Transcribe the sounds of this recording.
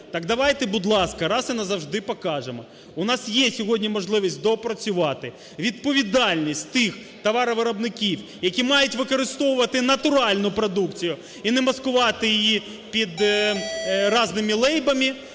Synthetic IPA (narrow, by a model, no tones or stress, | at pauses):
t̪ɑɡd̪ɐʋɑjt̪ɛbud̪lˠɑskɐɾɑsɪnɐzɐwʒd̪ɪpɔkɑʒemɔ | ʊnɑsjɛsʲɔɦɔdʲnʲimɔʒlˠɪʋʲisʲtʲd̪ɔpɾɔt͡sʲʊʋɑt̪ɪ | ʋʲid̪̚pɔʋʲid̪ɑlʲnʲisʲtʲt̪ɪx | t̪ɐʋɑɾɔʋɪɾɐbnɪkʲiwjɐkʲimɑjʊtʲʋɪkɔɾɪst̪ɔwʊʋɐt̪ɪnɐt̪ʊɾɑlʲnʊpɾɔd̪ukt͡sʲijʊ | inɛmɐskʊʋɑt̪ɪjɪji | pʲid̪ | rɑznɪmʲilˠɛjbɐmʲi